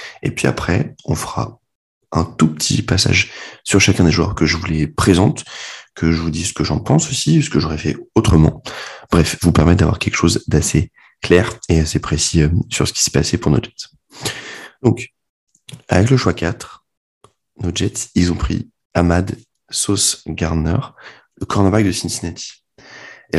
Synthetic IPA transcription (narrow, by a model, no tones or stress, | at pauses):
ḛpɥia̰pχɛɔ̃fəʁa̰ | ɛ̃t̪upət̪ʰḭpasa̰ʒsyʁʃakʲɛ̃d̪eʒwœ̰ʁkəʒəvulɛpχezɑ̃t̪kʰəʒəvud̪isə̥kəʒɑ̃pɑ̃sosisə̥kəʒoʁɛfɛ̰ot̪χəmɑ̰̃b̥ʁɛfvupɛʁmɛt̪̚d̪avwa̰ʁkʲɛlkə̥ʃozd̪ase | klɛʁeasepχesiøsyʁsə̥kʲi̥sɛ̥pasɛpuʁno̰ʒɛt̪ | d̪̥ɔ̃k | a̰vɛkləʃwakat̪χ | noʒɛt̪ilzɔ̃pχḭ | amad̪ | sosɡaʁnɛʁ | ləkɔʁnabak̚d̪əsinsinɛt̪ʰi̥